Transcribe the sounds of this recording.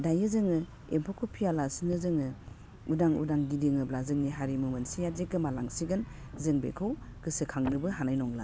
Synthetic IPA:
dajɯzɯŋɯ | empʰokʰupʰijalasinɯzɯŋɯ | udaŋṵdaŋɡidiŋɯblazɯŋniɦaɾimɯmɯnsijazekɯmalaŋsiɡɯn | zɯŋbḛkʰɯw | kɯsɯkʰaŋnɯbɯɦanajnɔŋla̰

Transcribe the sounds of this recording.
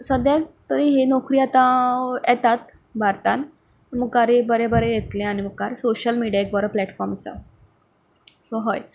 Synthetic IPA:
səd̪jat̪əɾiɦenɔkɾiːat̪ãjɛt̪at̪ | bʱaɾt̪an | məɡkaɾebəɾebəɾejet̪lẽañiməɡkaɾsoɕəlmiɽiaek̚bəɾəplɛʈfɔɾmsa̰ɾ | soɦəj

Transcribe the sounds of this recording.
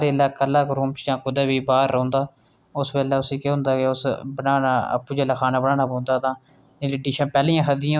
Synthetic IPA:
ɾeːlaːkəlːaːkɾũːmt͡ʃd͡ʒãːkʊd̪aːbiːbaːɾːõːnd̪aː | ʊsbeːlaːʊsiːkeːɦʊ̃nd̪aːkeʊsbənaːnaːə̰pːuːd͡ʒəlaːkʰaːnaːbənãːnaːbõːnd̪aːt̪ãː | ɪlɖiːʃãːpɛːliːãːkʰəd̪ɪjã

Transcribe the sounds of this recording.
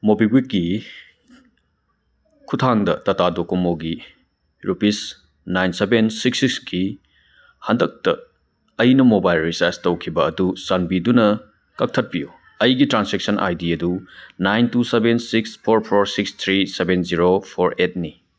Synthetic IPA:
mobiɡwik̚ɡi | kʰutʰaŋdɐtɐtadokomoɡi | ɾupis | najnsebensiksiksɡi | hɐndɐk̚tɐ̰ | ɐjnɐmobajlɾisaɾstɐwkʰibɐːdusanbidunɐ | kɐk̚tʰɐt̚piju | ɐjɡitɾansek̚sɐnʔa̰jdiɐdunajntusebensikspʰoɾpʰoɾsikst̪ʰɾisebenziɾopʰoɾet̚ni

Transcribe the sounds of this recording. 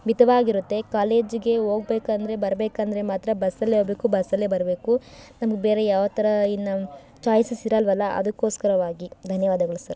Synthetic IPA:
ʋid̪ɐʋaːɡiɾut̪ːe̞kaːle̞ːd͡ʒɡe̞o̞ːɡ̚beːkɐnd̪ɐɾe̞bɐɾbeːkɐnd̪ɐɾemaːt̪ɾɐbɐsɐlːeɦoːbeːkubɐsɐlːebɐɾbe̞ːkunɐmɐɡebeːɾejaːʋɐt̪ɐɾɐinːɐ | t͡ʃaːjsɐsiɾɐlʋɐlːɐʔɐ̰d̪ukːo̞ːskɐɾɐʋaːɡid̪ʱɐnjɐʋaːd̪ɐɡɐɭusɐɾ

